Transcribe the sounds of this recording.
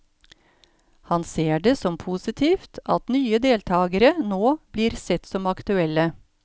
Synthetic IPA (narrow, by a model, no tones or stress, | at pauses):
hɑnseːɖesɔmpʰuːsɪt̪ʰiːft̪ɑt̪nyːəd̪eːlt̪ʰɑːɡəɾənoːb̥liːɾsɛt̪sɔmɑkt̪ʉɛlːə